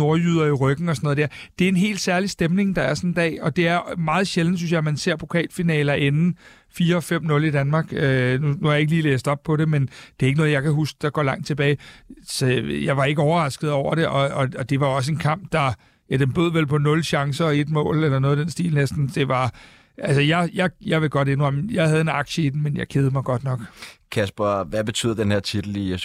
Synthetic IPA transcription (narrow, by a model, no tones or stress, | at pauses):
o̝ɐjyðˠɐiʁœɡ̥n̩ɒsɒnɔ̽ð̩ˠd̥eæɐ̰ | d̥e̝æɐe̝nɦe̝̰ːld̥sæɐlisd̥emne̝ŋd̥ɑ̈æɐsɒ̽nd̥ɛ̰ːɒ̽d̥e̝æɐmɑ̈ːð̩ˠɕeln̩əsynɕjɑɪmænse̝ɐ̰pʰʁo̝kʰɛ̰ːlfinɛːlɐʔe̝nn̩ | fiːɐɒ̽fem̰nɔ̽lid̥ænmɑ̈ːɡ̥ønunuæɐjɑe̝ɡ̥əliːlḛːsd̥ɒ̽b̥̚pʰɒ̽ɾe̝mend̥e̝ɐeɡ̥ənɔð̩ˠjɑ̈ɪkʰæɦusɡ̥d̥ɑ̈ɡ̥ɒ̰lɑ̈ŋ̰d̥̚t͡sʰe̝b̥ɛːɪsɒjɑ̈ɪʋɑ̈e̝ɡ̥əɒʊɐʁɑ̈sɡ̥ð̞̩ˠɒ̰ʊ̰ɐɾ̥e̝ʔɒ̽ɒɒd̥e̝ʋɑ̈joɒ̽s̬əe̝nkʰɑ̈m̰b̥d̥ɑ̈ | æd̥enb̥øð̰ˠʋelpʰɒ̽nɔ̽lɕɑ̈ŋsɐːe̝d̥mɔ̰̽ːlelɐno̽ðˠd̥ensd̥ḭːlnesd̥n̩d̥e̝ʋɑ̈ | ʔælsəjɑ̈ɪjɑ̈ɪjɑ̈ɪʋe̝ɡ̥ɒ̽d̥e̝nʁɒjɑ̈ɪɦæð̞ˠe̝nɑ̈ɡ̥ɕəid̥n̩menjɑ̈ɪkʰeð̞̩ˠmɑ̈ɪɡ̥ɒ̽d̥nɒ̽ɡ̥kʰæsb̥ɐʋæb̥e̝t͡sʰy̰ːðˠɐd̥enheɐt͡sʰid̥l̩i